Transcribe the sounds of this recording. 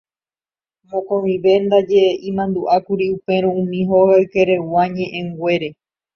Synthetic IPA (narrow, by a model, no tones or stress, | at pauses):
mõkõmĩʋe̞nd̪ad͡ʒe̞ĩmãnd̪uʔakuɾiupe̞ɾ̃õũmĩɦoɣaɨke̞ɾe̞waɲẽ̞ʔẽŋɡʷe̞ɾe̞